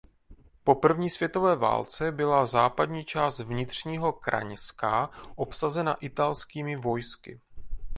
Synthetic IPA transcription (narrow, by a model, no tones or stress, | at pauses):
po̞pr̩vɲiːsv̥jɛt̪o̞vɛːva̰ːlt͡sɛbɪlazaːpadɲiːt͡ʃaːst̪vɲɪt̪r̝̥ɲiːɦo̞kɾʔa̰ɲskaʔo̞psazɛna̰ʔɪt̪alskiːmɪvo̞jskɪ̰